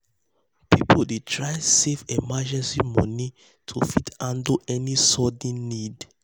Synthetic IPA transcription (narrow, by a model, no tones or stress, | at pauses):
pipʰodetʰɹaɪsevemad͡ʒɛ̃nsimɔ̰̃ni | tʰṵfitãndoʔɛnisɔd̃nnid